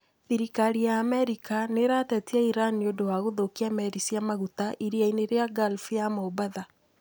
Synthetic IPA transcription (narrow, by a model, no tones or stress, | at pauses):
θiɾikaɾijaːmɛɾikaneɾatɛtiɛiɾaniodowaɣoðokiamɛɾisiamaɣutaʔiɾiaineɾeaɡalfijamobaða